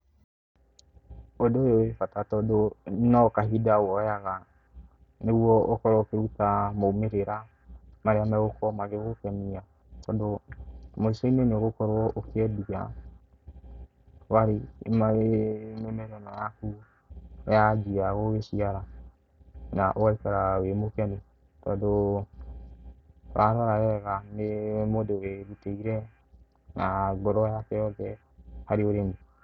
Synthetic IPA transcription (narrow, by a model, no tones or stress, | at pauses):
odoːjowefatatɔdonɔkaɦidawɔjaɣa | neɣwɔokɔɾɔkeɾutamoumeɾeɾa | maɾeamɛɣokɔmaɣeɣokɛmia | tɔdomoisɔineneoɣokɔɾwɔʔokeɛdia̰ | waɾemaɾemɛmɛɾɛnɔjaku | jad͡ʒijaɣowesiaɾa | na̰ʔowaikaɾawemokiani | tɔdo | waɾaɾajɛɣanemodeɾeɾuteiɾɛ | naɡɔɾɔjakɛjɔðɛ | haɾioɾemi